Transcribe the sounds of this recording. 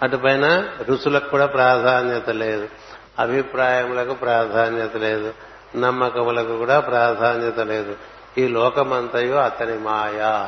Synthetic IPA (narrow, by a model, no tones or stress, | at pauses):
ɐʈupɐjnɐɾusulɐkkuːɽaːpɾaːd̪ʱaːnjɐt̪ɐleːd̪u | ɐbʱipɾaːjɐmulɐkupɾaːd̪ʱaːnjɐt̪ɐleːd̪u | nɐmːɐkɐmulɐkukuːɽaːpɾaːd̪ʱaːnjɐt̪ɐle̞ːd̪u | iːlɔːkɐmɐnt̪ɐjoːɐt̪ɐnimaːjaː